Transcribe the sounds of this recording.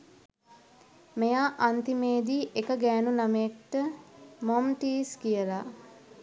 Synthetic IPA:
mejaːʔant̪imeːd̪iːʔekəɡæːnunameekʈəmomʈiːskijəla

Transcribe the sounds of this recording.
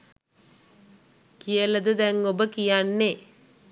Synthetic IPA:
kijɐlɐd̪ɯd̪ɐŋːobɐkijaːnːe

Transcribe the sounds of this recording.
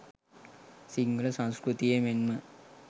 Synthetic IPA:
siŋɡɐlɐsɐ̃w̃skɾut̪ijemenmɐ

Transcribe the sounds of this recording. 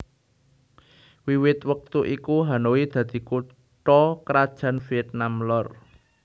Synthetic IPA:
wiwɪt̪wək̚t̪uʔikuɦanowid̪̥ä̤d̪̥i̤ku | ʈɔkɾad̥ʒ̥ä̤nfiɛt̪̚namlɔr

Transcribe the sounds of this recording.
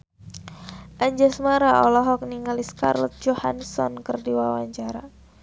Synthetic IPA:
ʔaɲd͡ʒasmaɾaʔɔlɔɦɔk̚niŋaliska̰rlɔ̰t̪̚d͡ʒohansɔnkɨrdiwawaɲt͡ʃaɾa

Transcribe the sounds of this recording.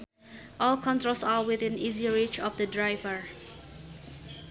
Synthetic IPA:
ʔɔlkʰɔ̃ntɹolsawɪθĩniziɹit͡ʃɔfdədɹaɪvəɹ

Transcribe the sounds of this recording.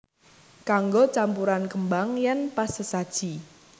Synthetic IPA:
kaŋɡot͡ʃampuɾankəmbaŋjɛnpasəsad̥ʒ̥i

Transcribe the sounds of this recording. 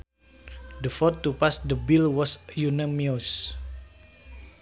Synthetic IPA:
dəfɔtːupasdəbilwɔsjunamios

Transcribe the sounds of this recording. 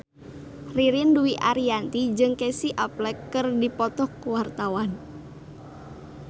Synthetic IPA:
riɾɪnduwiʔaɾiant̪id͡ʒɨŋkesiʔaplɛkːɨrdipɔt̪ɔhkuwart̪awan

